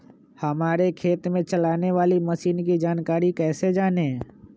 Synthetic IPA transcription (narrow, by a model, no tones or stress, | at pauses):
həmaːɾekʰeːt̪mẽt͡ʃəlaːneʋaːliməʃiːnk̬id͡ʒaːnkaːɾikɛːsed͡ʒaːne